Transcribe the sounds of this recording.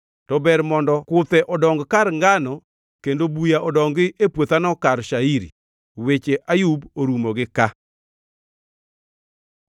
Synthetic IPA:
tɔbɛɾmɔndɔkʊt̪ɛʔɔdɔŋɡkaɾŋɡanɔ | kendobujaʔɔdɔŋɡɪʔepwot̪anɔkaɾʃaiɾḭ | wet͡ʃeʔajuboɾumoɡɪka

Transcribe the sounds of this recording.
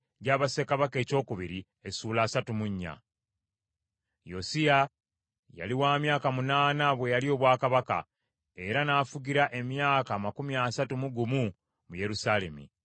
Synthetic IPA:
ɟaːβase̞kaβake̞ːco̞ːkuβiɾi | esuːlaːsatumuɲːa̰ | jo̰sija | ja̰liwaːmjaːkamunaːnaβwe̞jalio̞ːβwaːkaβaka̰ | e̞ɾanaːfuɟiɾaʔe̞mjaːkaːmakumiaːsatumuɡumu | muje̞ɾusaːle̞̰mḭ

